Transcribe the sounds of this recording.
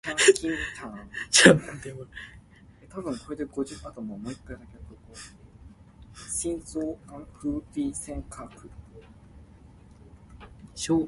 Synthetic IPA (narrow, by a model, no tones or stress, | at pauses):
kãŋkʰʲĩŋt̪ʰãt͡ɕat̪e | et̪abɯ̟̃ŋko̞ɾe̞d̪e̞ɡo̞ʑɨʔat̪omomoit̪ːad̪akeɾɯt̪oo | ɕĩnzoːkãŋɸɯ̟pʲiːsẽŋkʰaːkɯ̟ | ɕoː